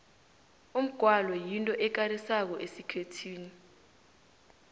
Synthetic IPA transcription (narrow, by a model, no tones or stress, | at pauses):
um̩ɡ̥ʱwalɔjintʼɔʔɛk̬arisak̬ɔʔesikʰetʰiːni